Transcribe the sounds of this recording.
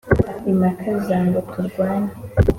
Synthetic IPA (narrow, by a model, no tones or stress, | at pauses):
imakʰazaːŋɡotʰuɾɡwaːɲa